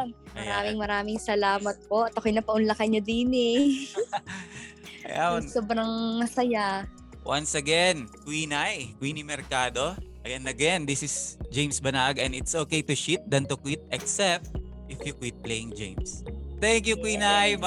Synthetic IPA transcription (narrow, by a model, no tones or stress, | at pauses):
mɐ̰ɾaːmɪŋmɐɾaːmɪŋsɐlaːmɐt̪̚poʔɐt̪ɐkojnɐpɐʔʊnlɐkɐɲɐd̪iːnɪ | ʔɐja̰wsoːbɾɐŋmɐsɐja | wʔansɐɡɛnkwiːnajkwiːnimɛɾkaːd̪o̞ʔɐɡɛnɐɡɛnd̪isɪsd͡ʒejmsbɐnaɡɛ̃nɪt̪sʔoːkejt̪ʊʃit̪̚d̪ɐnt̪ʊkwit̪̚ɛksɛp̚t̪̚ | ʔɪfjukwit̪̚plejɪŋd͡ʒḛjmst̪ɛŋkjukwiːnaj